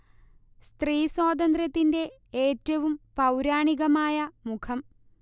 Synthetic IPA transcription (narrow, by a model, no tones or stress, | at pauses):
st̪riːswoːd̪ɐnd̪ɾɐt̪ːinde̞ | eːtːɐʋumpɐwɾaːɳiɣɐmaːjɐmukʰɐm